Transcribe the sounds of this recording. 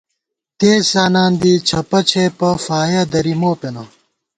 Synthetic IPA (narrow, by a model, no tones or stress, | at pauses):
t̪eːsaːnaːnd̪iːt͡ɕʰɐpɐt͡ɕʰepɐfaːjɐd̪ɐɾimoːpenɐ